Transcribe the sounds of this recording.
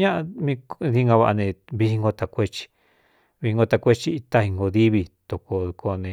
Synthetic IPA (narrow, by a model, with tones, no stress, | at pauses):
ɲã˦ʔa˧mĩ˧ði˦˧ŋɡã˧βa˧a̰˧nẽ˨βi˧i˧ŋɡo˧t̪a˨kʷe˦t͡ʃi̥˧ | βi˧i˧ŋɡo˧t̪a˧kʷe˦t͡ʃi˧i˧t̪a˦i˧ŋɡo˧ði˦βi˧t̪o˨ko˧kʰo˧nẽ˨˧